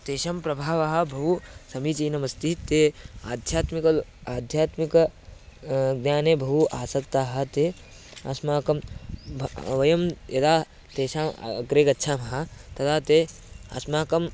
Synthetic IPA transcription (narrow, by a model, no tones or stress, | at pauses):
t̪eːʃɐmpɾɐbʱaːʋɐɦɐ̆bʱɐɦusɐmit͡ʃiːnɐmɐst̪it̪eːaːd̪ʱjaːt̪mikɐlaːd̪ʱjaːt̪mikɐ | ɡnʲjaːneːbʱɐɦuʔaːsɐkt̪aːɦɐ̆t̪eː | a̰smaːkɐm | ʋɐjɐmjɐd̪aː | t̪eːʃaːm̰ɡɾeːkɐtːʃʰaːmɐɦɐt̪ɐt̪ʰaːt̪e | aːsmaːkɐm